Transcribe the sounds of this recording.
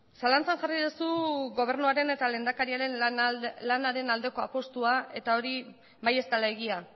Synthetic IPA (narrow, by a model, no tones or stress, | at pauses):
salant͡sanʝariðusuɣo̞β̞e̞ɾnuaɾe̞ne̞t̪alend̪akaɾiaɾe̞nlanaɾe̞nald̪e̞ko̞a̰po̞st̪uae̞t̪ao̞ɾi | βaje̞st̪alaeɣia